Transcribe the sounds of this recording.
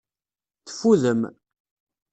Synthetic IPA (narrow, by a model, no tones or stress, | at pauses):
θə̥fːuðəm